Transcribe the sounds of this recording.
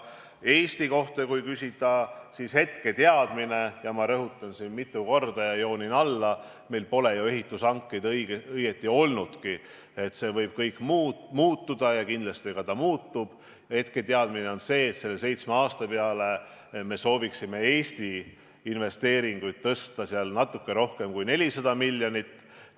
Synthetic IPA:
e̞ːst̪iko̞ht̪ekujkysʲit̪ːˑɑsishe̞t̪ke̞t̪eɑd̪̥mine̞jɑmɑɾɤɦut̪ːˑɑnsinmit̪ˑːuko̞rd̪ɑjɑjo̞ːninɑlːɑ | me̞jlpo̞le̞joe̞ɦit̪ːˑusɑŋkːejd̪jɡɤjɡe̞t̪ːˑio̞lnud̪̥ki | e̞t̪se̞vɤjb̥̚kɤjkːˑmuːmuːt̪ːud̪̥ɑjɑkind̪lɑst̪iɡ̥ɑt̪ɑmuːt̪ːˑub̥ | e̞t̪ket̪eɑd̪̥mine̞o̞nse̞ːt̪se̞lːe̞se̞jt̪smeɑːst̪ɑpe̞ɑle̞ | me̞so̞ːviksime̞e̞ːsʲt̪i | inve̞st̪e̞ːɾiŋɡ̥ujd̪̥̚t̪ːɤst̪ɑsiɑlnɑt̪ːˑukːe̞ɾo̞hke̞mkujne̞lʲisɑd̪̥ɑmilʲːjo̞nʲit̪ː

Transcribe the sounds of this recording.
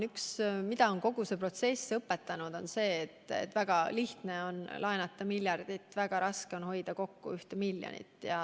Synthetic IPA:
yksmid̪̥ɑo̞nko̞ɡ̥use̞pro̞t̪se̞sːɤpːe̞t̪ːˑɑnud̪̥o̞nse̞ːt̪ːḛt̪ːˑvæɡ̥ɑliht̪ne̞o̞nlʔɑenɑt̪ːˑɑmiljɑrd̪̥it̪ːˑvæɡ̥ɑɾɑskeo̞nho̞jd̪̥ɑko̞kːṵyht̪emilːjo̰nḭt̪ːjɑ

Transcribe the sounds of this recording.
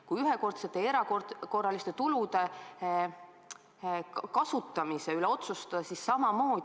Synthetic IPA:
kujyɦeko̞rt̪se̞t̪ːˑeeɾɑkorko̞rːɑlist̪et̪ulud̪e̞ | kɑsut̪ːˑɑmise̞yleo̞t̪sust̪ɑd̪ɑsissɑmɑmo̞ː

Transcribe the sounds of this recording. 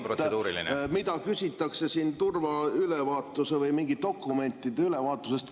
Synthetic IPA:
pɾroed̪uːɾḭlḭn̰mid̪ɑkysʲit̪ːˑɑkse̞siːnt̪urvɑylevɑːt̪ːˑuse̞vɤjmiŋɡ̥it̪̚ːo̞kːˑume̞nt̪ːˑid̪̥eyle̞vɑːt̪ːˑuse̞st̪

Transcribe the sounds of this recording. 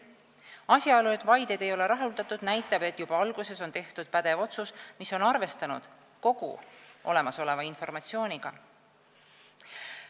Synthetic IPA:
ɑsʲjɑolued̪vɑjd̪̥ed̪e̞jo̞le̞ɾɑɦuld̪ɑt̪ːˑud̪̥næjt̪ːˑɑb̥e̞t̪ːˑjub̥ɑɑlɡ̥use̞so̞nt̪e̞ht̪ud̪̥̚pæd̪̥e̞vo̞t̪susmiso̞nɑrve̞st̪ɑnṵd̪̥ | ko̞ɡ̥ṵʔo̞̰le̞mɑso̞le̞vɑinfo̞rmɑt̪sio̞ːnʲiɡ̥ɑ

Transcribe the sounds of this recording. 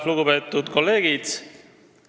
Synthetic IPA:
luɡupe̞ːt̪ːˑud̪̥ko̞lːe̞ːɡ̥id̪̥

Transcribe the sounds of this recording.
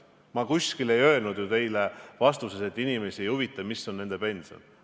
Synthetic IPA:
mɑkusʲkile̞jø̞e̞lnud̪̥jut̪e̞jlevɑst̪use̞se̞t̪ːˑinime̞siejuvit̪ːˑɑmisːo̞nːend̪e̞pe̞nʲso̰n

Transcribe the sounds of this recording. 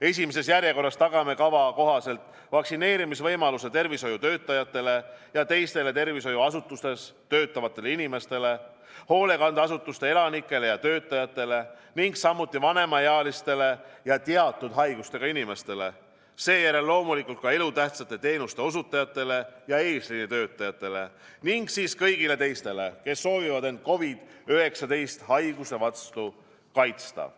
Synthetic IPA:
e̞s̬ʲimese̞sjærje̞ko̞rːɑst̪ɑɡ̥ɑme̞kɑvɑko̞ɦɑse̞lt̪ˑ | vɑksine̞ːɾimisvɤjmɑluse̞t̪e̞rviso̞jut̪ø̞ːt̪ːˑɑjɑt̪ˑːe̞le̞jɑt̪e̞jst̪e̞le̞t̪e̞rviso̞juɑsut̪ːˑust̪e̞st̪ø̞ːt̪ːˑɑvɑt̪ːˑe̞leinime̞st̪e̞le̞ | ho̞ːle̞kɑnd̪ɑsut̪ːˑust̪e̞e̞lɑnikːˑe̞le̞jɑt̪ø̞ːt̪ːˑɑjɑt̪ːˑe̞le̞niŋɡsɑmːut̪ːˑivɑne̞mɑjeɑlist̪e̞le̞jɑt̪eɑt̪ːˑud̪̥ɦɑjɡ̥ust̪e̞ɡ̥ɑinime̞st̪e̞le̞ | se̞ːjæɾe̞lːo̞ːmulikːˑult̪̚kɑe̞lut̪æht̪sɑt̪ːˑe̞t̪e̞ːnust̪e̞o̞sut̪ːˑɑjɑt̪ːˑe̞le̞jɑe̞ːslinit̪ø̞ːt̪ːˑɑjɑt̪ːˑe̞le̞ | niŋɡsiːskɤjɡile̞t̪e̞jst̪e̞le̞ke̞sːo̞ːvivɑd̪e̞nd̪̥̚ko̞vid̪̥yɦe̞ksɑd̪e̞jst̪hɑjɡ̥use̞vɑt̪st̪u | kɑjt̪st̪ɑ̰

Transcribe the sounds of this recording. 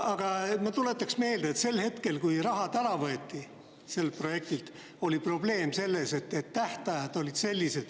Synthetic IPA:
ɑɡ̥ɑmɑt̪ule̞t̪ːˑɑksme̞ːld̪eet̪se̞lhe̞t̪ke̞lkujrɑɦɑd̪̥æɾɑvɤet̪ːi | se̞lpro̞je̞k̚t̪ilt̪ | o̞lʲipro̞ble̞ːmse̞lːe̞se̞t̪ːet̪ːæht̪ɑjɑd̪̥o̞lʲid̪̥se̞lʲːise̞d̪̥

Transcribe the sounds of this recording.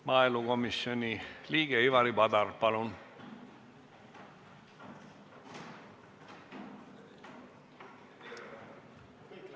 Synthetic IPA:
mɑːeluɡomisjoniliːɡ̥eiʋɑɾibɑd̪ɑrpɑlun

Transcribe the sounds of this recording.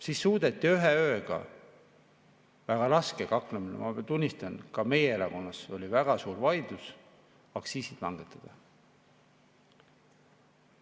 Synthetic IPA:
siːsːuːd̪̥et̪ːiyɦeø̞ːɡ̥ɑ̰ | væɡ̥ɑɾɑske̞kɑkleminḛmɑt̪unʲːist̪ɑnkɑme̞jeeɾɑko̞nːɑso̞lʲivæɡ̥ɑsuːɾvɑjd̪̥us | ɑksiːsit̪lɑ̰ŋɡ̥e̞t̪ːˑɑd̪̥ɑ

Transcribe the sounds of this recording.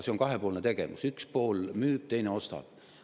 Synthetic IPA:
seoŋkɑɦe̞po̞ːlne̞t̪e̞ɡ̥e̞̰musykspo̞ːlmyːb̥̚t̪e̞jneo̞st̪ɑ̰b̥

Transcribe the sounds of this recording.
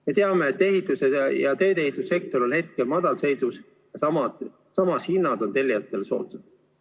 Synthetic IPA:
me̞t̪e̞ɑmeːt̪ːˑe̞ɦit̪ːˑusejɑt̪ø̞ːt̪e̞hit̪ːˑusːe̞k̚t̪o̞ɾo̞nhe̞t̪̚ke̞lmɑd̪̥ɑlse̞jd̪us | jɑsɑmɑ | sɑmɑshinːɑd̪o̞nt̪e̞lʲːiɑt̪ːˑe̞lso̞̰ːt̪sed̪̥

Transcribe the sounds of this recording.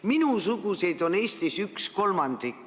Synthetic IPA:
minusuɡuse̞jd̪o̞ne̞ːsʲt̪isyksko̞lmɑnd̪̥ikː

